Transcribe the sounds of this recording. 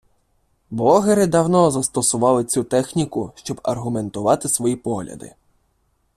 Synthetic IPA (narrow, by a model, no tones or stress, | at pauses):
blˠɔɦeɾɪd̪ɐwnɔzɐst̪ɔsʊʋɑlˠɪt͡sʲut̪ɛxnʲikʊʃt͡ʃɔbɐrɦʊme̞nt̪ʊʋɑt̪ɪsʋɔjipɔɦlʲɐ̰d̪ɪ̰